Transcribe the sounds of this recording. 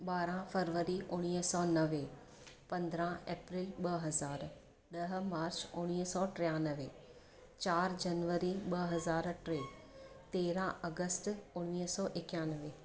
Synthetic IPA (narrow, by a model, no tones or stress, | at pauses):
ɓaːɾãfəɾʋəɾiʔʊɽ̃iːɦsɔːnɐʋe | pɐ̃nd̪ɾãeːpɾiːlɓɐɦɐzaːɾ | ɗɐɦmaːɾt͡ɕʊɽ̃iːɦsɔːʈɾɪjaːnəʋe | t͡ɕaːɾd͡ʑɐnʋəɾiɓɐɦɐzaːɾʈɾeː | t̪eːɾãɐɡəstʊɽ̃iːɦsɔːʔɪkjaːnəʋe